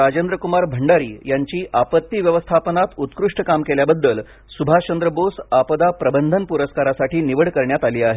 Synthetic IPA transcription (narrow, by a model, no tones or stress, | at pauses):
ɾad͡ʑend̪ɾəkumaɾbʱəɳɖaɾḭːjaɲt͡ɕiːʔapət̪ːiːʋjəʋəst̪ʰapənat̪ut̪kɾuʂʈəkamkeljabəd̪ːəl | subʱat͡ɕənd̪ɾəbosapəd̪apɾəbənd̪ʱənpuɾəskaɾasaʈiːniʋəɽkəɾɳjat̪aliːaɦe